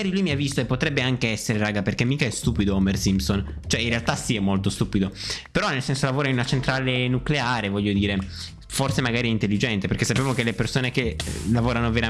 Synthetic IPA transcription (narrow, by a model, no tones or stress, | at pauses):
aɾilujmiavːist̪oepːot̪ɾɛbːeaŋkeɛsːeɾeɾaːɡaperkemːiːkaɛst̪uːpid̪oɔmersimpson | t͡ʃoɛinrealt̪asiɛmːolt̪ost̪uːpid̪opeɾɔnelsɛnsolavoːɾainunat͡ʃent̪ɾaːlenukleaːɾevɔʎːod̪iːɾe | forsemaɡaːɾiɛint̪elːid͡ʒɛnt̪eperkesːapːjaːmokelepersoːnekḛlavoːɾanoveɾa